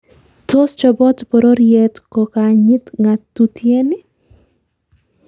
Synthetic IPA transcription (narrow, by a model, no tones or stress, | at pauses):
tost͡ʃɔbɔtpɔɾoɾjɛtkɔkaɲɪt̪ŋatːutjenɪ